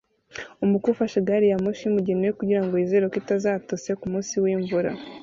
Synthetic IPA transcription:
umukuufaʃeɡaɾijamoʃiumuɟenojekuɟiɾaŋɡoize̞ɾokitazaːtose̞kumuːsiwiːɱvuɾa̰

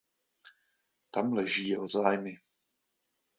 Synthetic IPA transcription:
t̪amlɛʒiːozaːjmɪ

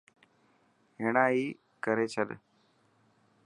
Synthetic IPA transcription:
ɦeːɳaːɦiː | kəɾeːt͡ʃʰəɗ

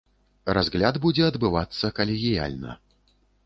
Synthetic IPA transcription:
razɣlʲad̪bud͡zʲɛɐd̪bɨvat̪sːɐkɐlʲiɣʲija̰lʲnɐ̰

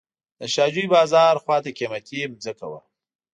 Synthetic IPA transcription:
d̪̥əʃɑːd͡ʒuibɑːzɑɾxwɑt̪akemakʲemd͡zəka̰wa̰

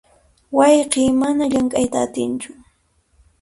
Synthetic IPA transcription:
wɑjqiːmanaʎaŋkʼajt̪aːt̪ɪnt͡ʃʊ̥

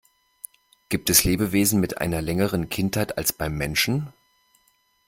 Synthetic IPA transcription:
ɡ̥iːp̚tɛsleːbəveːzn̩mɪtʔa̰ɪnɐlɛŋəʁənkʰɪnthaɪta̰lsb̥aɪmːɛnʃn̩

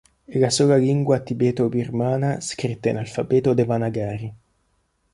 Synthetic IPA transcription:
elasuːlaliŋɡwat̪ibɛːt̪obirmaːnaskɾit̪ːainalfabɛːt̪od̪evanaɡaːɾi

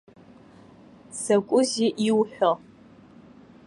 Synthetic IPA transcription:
sɐkʷʼʊziʔiwħʷɔʁ

